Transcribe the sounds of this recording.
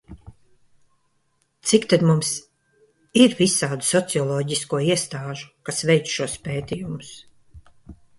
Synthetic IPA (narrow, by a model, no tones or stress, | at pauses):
t̪sikt̪ad̪mums | iɾvisaːd̪usɔt̪siɔlˠɔːɟiskuɔiɛst̪aːʒu̥kasvɛjt̪sʃuɔspʲeːt̪ijumus